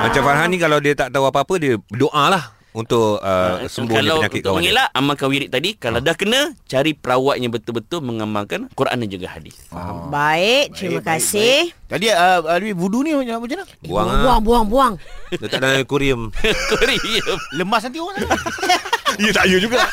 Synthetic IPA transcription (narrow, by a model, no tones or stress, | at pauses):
mat͡ʃamfaɾɦanĩkalawdiət̪aʔt̪auapaapədiəədoʔalah | unt̪ʊʔəsəmbʊalaəɲakɪt̪k̪t̪awmaŋelaʔamakanwiɾɪʔ̚t̪adikalawdahkənə̃t͡ʃaɾipəɾawaʔ̪̚ɲãbət̪ʊlbət̪ʊlməŋamaŋkankuɾa̰nãd͡ʒuɡa̰ha̰dḭbaɪʔ̚t̪ɾimãkasɪht̪adiəələbɪbuduniɲaaud͡ʒəna | buaŋbuaŋbuaŋbuaŋdat̪aʔdakuɾiəmkuɾiəmləmbasant̪ioaŋ | ijət̪aʔjud͡ʒuɡa